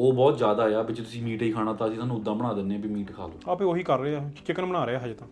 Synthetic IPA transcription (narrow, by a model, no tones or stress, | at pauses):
oːbɔːt̪zjaːd̪aːeaːbɪt͡ʃt̪ʊsĩːmiːʈiːkʰaːɽaːt̪ãːəsiːt̪ʰaːnũːʊd̪ːãːbəɽ̃ãːd̪ɪnːeaːbiːmiːʈkʰa̰ːloːapẽoːɦiːkəɾːeːaːt͡ʃɪkənbənaːɾeːaːɦəd͡ʒt̪ãː